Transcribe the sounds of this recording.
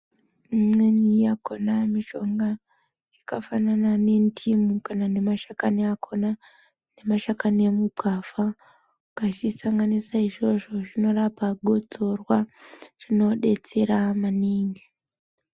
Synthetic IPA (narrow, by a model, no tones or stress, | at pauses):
menijakonamiʃo̞ŋɡa | jikafananane̞ntʰimukanane̞maʃakaneakʰona | ne̞maʃakanemukafa | kat͡ʃisaŋɡanisaiʐo̞ʐo̞ʐino̞rapaɡʱo̞d͡zo̞rwaʐ̥ino̞ɗe̞t͡se̞ɾamaniːŋɡe